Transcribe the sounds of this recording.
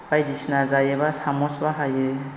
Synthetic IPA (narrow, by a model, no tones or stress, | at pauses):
b̥ajdisnazajebasamɔsbaɦaje